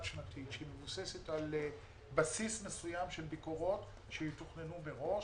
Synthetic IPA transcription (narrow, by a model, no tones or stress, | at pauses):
ʃmatitʃeimevuse̞setal | basismesujamʃe̞lbiko̞ʁo̞t | ʃejituχnenubeʁo̞ʃ